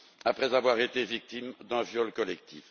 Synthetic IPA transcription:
apχɛzavwaʁet̪evik̚t̪imd̪ɛ̃vjɔlkɔlɛk̚t̪if

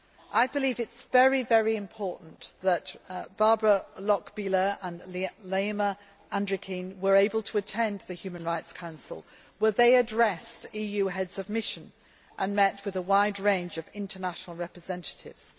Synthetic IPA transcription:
ʔaɪbɨlivɨtsvɛɹivɛɹiɨ̃mpʰɔɹʔn̩ðətb̥ɑɹbɹəlɒkb̥ilə˞ə̃nleɪmə | æ̃ndɹɨkʰĩnwə˞eɪbəlˠtʰəːtʰɛ̃nðɨhjʉmə̃nɹaɪtskʰãʊ̃nsə̰lˠ | wə˞ðeɪɨdɹɛstijʉɦɛdz̥ʌvmɪʃɨ̃n | ʔə̃nmɛt̚wɨðəwaɪdɹẽɪ̃nd͡ʒʌvɪ̃ntʰənaʃnl̩ˠɹɛpɹɨzɛ̃ntə̥tʰɪ̰vz̥

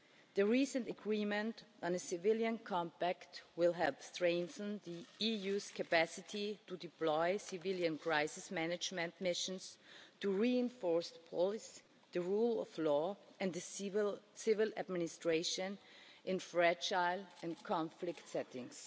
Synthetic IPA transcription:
ðɨɹisə̃ntɨɡɹimɨ̃ntn̩ɨsɪvɪljɨ̃nkʰɑ̃mpæktwɪlˠɦɛlˠpstɹ̥ẽɪ̃nθə̃nðiijuz̥kʰɨpæsɪtʰitudɨpʰlɔɪsɪvɪlˠjɨ̃nkʰɹ̥aɪsɪsmænɨd͡ʒmɨ̃ntmɪʃə̃nstuɹiɪ̃nfɔɹsðəpʰɔlɪsi | ðɨɹulˠɔ̰vlɔɨ̃nðɨ | sɪvɪlˠæ̰d̚mɪnɪstɹ̥eɪʃɨ̃nʔɪ̃nfɹɛd͡ʒaɪlˠɨ̃nkʰɑ̃ɱflɪktsɛtɪ̃ŋs

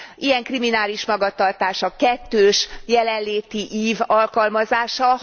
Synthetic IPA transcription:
ʔijɛŋkriminaːliʃmɒɡɒt̪ɒrt̪aːʃɒkɛt̪ːøːʃjɛlɛnleːt̪iʔiːvɒlkɒlmɒzaːʃɒ

